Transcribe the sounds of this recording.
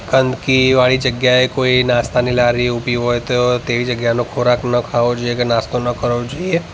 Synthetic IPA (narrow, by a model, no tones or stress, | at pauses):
kənd̪kiʋaɭid͡ʒəɡjaekoinãst̪anilaɾiupiɦojt̪ot̪eʋid͡ʒəɡjanõkʰoɾaknəkʰaʋod͡ʒoiekenast̪onəkəɾod͡ʒoie